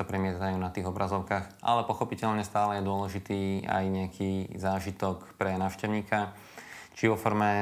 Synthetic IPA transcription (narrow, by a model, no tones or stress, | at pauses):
apɾɛmɪɛzajuːnat̪iːɣɔbɾʔazɔʊkaːxʔa̰lɛpɔxɔpicɛʎɲɛst̪aːlɛjɛd̪ʊɔlɛʒit̪iːa̰jɲɛakʰiːzaːʒit̪ɔkpɾɛnaːʊʃcɛʊɲiːka | t͡ʃiʋɔfɔɾmɛ